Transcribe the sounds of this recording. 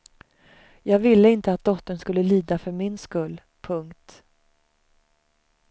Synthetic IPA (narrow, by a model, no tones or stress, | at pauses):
jɑːɡvɪlːəɪnt̪əat̪̚d̪ɔt̪ːənskɵlːəliːd̪afœɾmɪnskɵlː | pʰɵŋkt̪